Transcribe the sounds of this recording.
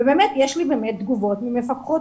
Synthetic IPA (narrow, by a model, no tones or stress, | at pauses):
ebemetjeʃlibeːmet̪̚d̪ɡuvo̞tmimefakχot